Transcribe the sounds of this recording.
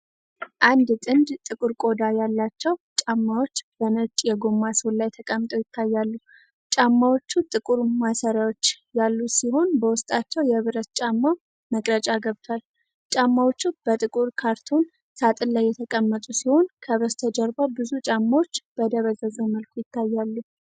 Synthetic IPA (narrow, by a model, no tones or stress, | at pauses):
ʔand̪t̪ʼɨnd̪t̪ʼɨkʼuɾkʼo̞d̪ajalːat͡ʃːɛwt͡ʃʼamːawo̞t͡ʃːb̥ənət͡ʃʼjɛɡo̞mːaslajt̪ʰəkʼəmːt̪ʼəwjɪt̪ʰːajːalːu | t͡ʃʼamːawo̞t͡ʃːut̪ʼɨkʼuɾmasəɾjawot͡ʃː | jalːusiho̞nbəwʊst̪ʼat͡ʃːɛwjɛβɨɾət̪t͡ʃʼamːa | məkʼɾət͡ʃʼaɡəβt̪ʰwal | t͡ʃʼamːawo̞t͡ʃːub̥ət̪ʼɨkʼuɾkʰaɾt̪ʰo̞n | sat̪ʼɨlːajːɛt̪ʰəkʼəmːət̪ʼusiho̞nkʰəβɾəst̪ʰəd͡ʒəɾbabɨzut͡ʃʼamːawo̞t͡ʃːb̥əd̪əβəzəzəməlkʰujɪt̪ʰːajːalːu